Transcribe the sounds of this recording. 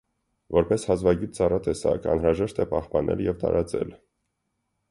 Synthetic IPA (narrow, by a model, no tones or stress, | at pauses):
vɔɾpɛshɑzvɑɡut̪̚t͡sɑrɑt̪ɛsɑ̰kʰɑ̰nɾɑʒɛʃt̪ɛpɑhpɑnʔɛ̰ljɛvt̪ɑ̰ɾɑt͡sɛ̰l